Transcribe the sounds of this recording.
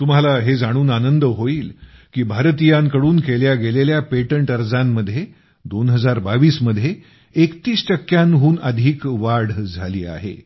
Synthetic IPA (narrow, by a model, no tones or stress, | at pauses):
t̪um̤alaɦed͡zaɽ̃uːnanənd̪əɦoiːlkiːbʱaɾt̪ijaŋkəɽuːnkeljaɡeleljapeʈəɳʈəɾd͡zamːəd̪ʱːje | d̪onɦəd͡zaɾbaʋiːsməd̪ʱje | ekt̪iːsʈəkːjanɦuːnəd̪ʱiːkʋaɾɽ̤d͡zʱaliːa̰ɦḛ